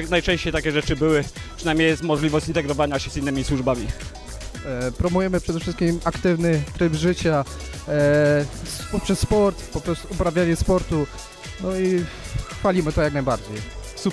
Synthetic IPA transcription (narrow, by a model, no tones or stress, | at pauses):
najt͡ʂɛ̃ɕt͡ɕejt̪akʲɛʐɛt͡ʂɘbɘwɘ | pʂɨnajmʲɲjejɛst̪mɔʐlʲivɔɕt͡ɕint̪ɛɡɾɔvaɲaɕɛzinːɘmʲiswuʐbamʲi | pɾɔmujɛmɘpʂɛd̪ɛfʂɘst̪kʲimakt̪ɘvnɘt̪ɾɘvʐɘt͡ɕa | pɔpʂɛsːpɔɾt̪pɔpɾɔst̪uːpɾavʲjaɲɛspɔɾt̪u | nɔi | falʲimɘt̪ɔjaknajbaɾd͡ʑejsu